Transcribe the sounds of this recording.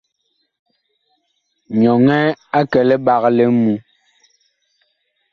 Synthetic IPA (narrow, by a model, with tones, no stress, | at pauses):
ɲɔ˨ŋɛ˦a˦kɛ˨lɛ˦ɓa˨ɣlɛ˦mu˨˦